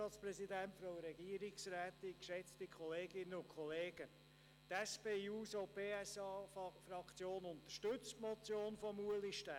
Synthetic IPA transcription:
ɑːtt͡sprɛzidæntfɔɾɛɡiəɾɪksræːt̪ikʃɛt͡stikχɔleːɡɪnːəʊnkʰɔleːɡ̥ə | t̪ɛspeːuːsopeːɛsɑːfɾɑkt͡sjoːnʊnt̪əʃtʏt͡stmɔt͡sjoːnfɔmuəliʃtæ

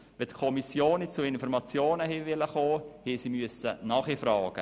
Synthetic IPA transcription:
ʋɛt̪kʰɔmisjoːnːɪt͡suɪnfɔɾmɑt͡sjoːnəhiːʋɪləχoːhiːsimyəsənɑχifɾɑːɡ̥ə̰

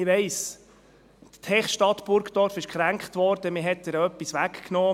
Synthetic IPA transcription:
ɪʋɛɪs | t̪tʰɛχʃtɑt̪b̥ʊɾkt̪ɔɾfɪʃkχɾæŋkχt̪ʋɔɾd̥əmɪɦɛtːəɾœpːisʋækknɔː

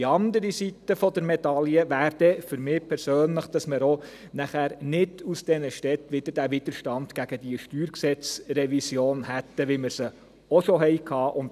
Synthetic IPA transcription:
ɑnd̪əɾisit̪ːəfɔd̪əɾmɛdɑljəʋæːɾd̥̪ɛfʏɾmɪːpʰɛɾsøːnləχd̥ɑsmɪɾo | næχæːɾnɪdusd̥ɛnəʃtɛt̪ʋɪd̥̪əɾdæʋɪd̪̥əɾʃtɑnd̥ɡ̥æɡ̥əd̥̪iəʃtyːɾksɛt͡srɛʋisjoːnhæt̪ːəʋɪməɾsə | ɔʃoɦɛɪkʰhɑːʔʊnt

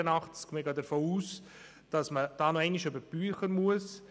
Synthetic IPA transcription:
ənɑχt͡skmɪɡɑːdəfoːuːs | d̥ɑsməd̥ɑːnoɛɪnɪʃøbəb̥yːχənmuəs

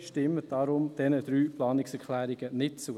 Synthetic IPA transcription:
ʃtɪmːəd̥ɑɾʊmd̥ɛnəd̪̥ɾyːplɑːnɪksɛɾkʰlæːɾiɡənɪt̚t͡su

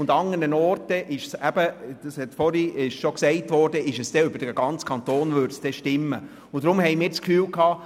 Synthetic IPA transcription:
ʊndɑŋənənɔːrtəʔɪʃsæb̥əd̥ɑshɛtfɔɾiɪʃʃɔksɛɪtʋɔːrd̥əɪʃəsd̥ɛʏb̥əɾd̥əɡ̥ɑnt͡skʰɑnt̪oːnʋʏɾtsd̥ɛʃtɪmːə | ʊntd̥ɾʊmhɛjmɪːɾdt͡skfyːlkʰɑː

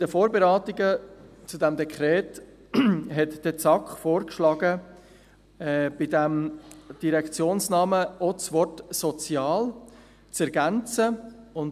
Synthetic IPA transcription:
d̥əfoːɾbeɾɑːtiɡət͡sudɛmd̪ɛkʰχɾɛːt | ɦɛtd̥ɛt͡sɑkχfoːɾkʃlɑːɡə | ɛb̥idɛmd̥iɾɛkt͡sjoːnsnɑːməot͡svɔɾtsɔt͡sjɑːl | t͡sɛɾɡænt͡səʊn

